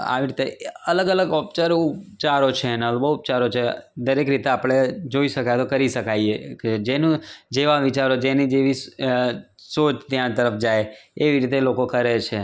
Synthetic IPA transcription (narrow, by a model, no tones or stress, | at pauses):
a̰ʋiɾit̪eələɡələɡɔp̚t͡ʃaɾupt͡ʃaɾot͡ʃʰenəlbəup̚t͡ʃaɾot͡ʃʰed̪əɾekɾit̪eapɽ̃ed͡ʒoiʃəkaet̪okəɾiʃəkaieked͡ʒenũd͡ʒeʋaʋɪt͡ʃaɾod͡ʒenid͡ʒeʋi | sot͡ʃʰt̪jãt̪əɾəfd͡ʒajeʋiɾit̪elokokəɾet͡ʃʰe